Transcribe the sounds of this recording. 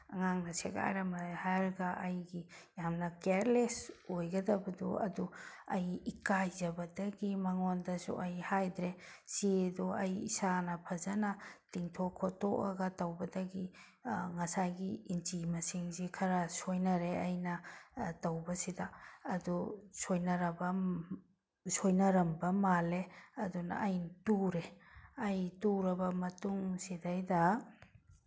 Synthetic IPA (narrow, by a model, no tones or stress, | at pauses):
ɐŋaŋnɐseɡa̰jɾamɐhajɾɡɐʔɐjɡijamnɐkeɾlesojɡɐdɐbɐdṵɐ̰duɐjːkajzɐbɐdɐɡimɐŋondɐsṵʔɐjhajdɾesiduɐjḭsanɐpʰɐzɐnɐtiŋtʰokʰːotoʔɐɡɐtɐwbɐdɐɡi | ŋɐsajɡiint͡ʃimɐsiŋzikʰɐɾɐsojnɐɾeɐjnɐtawbɐsidaːdusojnɐɾɐbɐ | sojnɐɾɐmbɐmaleɐdunɐ̰ʔːjtuɾeɐjtuɾɐbɐmɐtuŋsidajdɐ